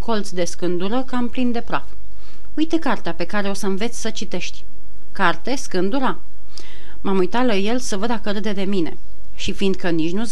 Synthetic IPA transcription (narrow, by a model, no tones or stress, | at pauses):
ko̞lt̪sʲd̪e̞skɨnd̪uɾəkamplind̪e̞pɾaf | ujt̪e̞kart̪eape̞kaɾe̞o̞səɨnve̞t̪sʲsət͡ʃit̪e̞ʃt̪ʲ | kart̪e̞skɨnd̪uɾa | mamujt̪at̪laje̞lsəvəd̪akəɾɨd̪e̞d̪e̞mine̞̰ | ʃifind̪kənit͡ʃnuz